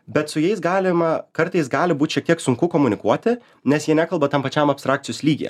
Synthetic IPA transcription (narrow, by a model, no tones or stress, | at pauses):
bʲɛt̪sʊjɛɪsɡɑːlʲɪmɐkɐɾt̪ɐɪs̬ɡɑːlʲɪbuːt̪ʃʲiɛk̚t̪iɛksʊŋkʊkoːmʊnʲɪkuɔt̪ʲɪ | nʲɛsjiɛnʲæːkɐlˠbɐt̪ɐmpɐt͡ʃʲɛmɐpst̪ɾɑːkt̪ʲɪjoːslʲiːɡʲḭjɛ̰